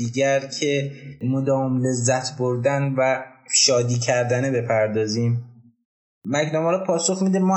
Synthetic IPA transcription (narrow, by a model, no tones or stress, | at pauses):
iːɟæɾcʰe̞mod̪ɒːomle̞zːæt̪ʰboɾd̪ænvæʃɒːd̪iːcʰæɾd̪ænebe̞pʰæɾd̪ɒːziːm | mæknɒmɒːɾɔpʰɒːso̞xmid̪emɒ